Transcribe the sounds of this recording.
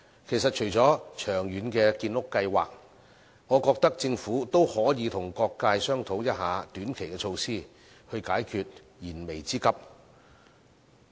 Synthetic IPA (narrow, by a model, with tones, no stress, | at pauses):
kʰe˨˩jsɐ˨t̚t͡ʃʰɵ˨˩ɥt͡sɔː˨˥t͡ʃʰœː˨˩ŋjyː˨˧nkɛː˧kiː˧nlʊ˥kːɐ˧jwaː˨k̚ | ŋɔː˨˧kɔː˧k̚t̪ɐ˥k̚t͡sɪ˧ŋfuː˨˥t̪o˥whɔː˨˥jiː˨˧t̪ʰʊ˨˩ŋkɔː˧kkaː˧jsœː˥ŋt̪ʰo˨˥wjɐ˥t̚ɦaː˨˧t̪yː˨˥nkʰe˨˩jkɛ˧t͡ʃʰo˧wsiː˥˩ | hɵ˧ɥkaː˨˥jkʰyː˨˧t̚ | jiː˨˩nme˨˩jt͡siː˥kɐ˥p̚